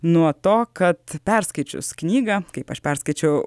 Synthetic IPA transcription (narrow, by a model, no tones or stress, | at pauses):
nuɔt̪oːkɐt̪pʲɛɾskɐɪt͡ʃʲʊ̰sknʲiːɡɐkɐɪpɐʃpʲɛɾskɐɪt͡ʃʲɛʊ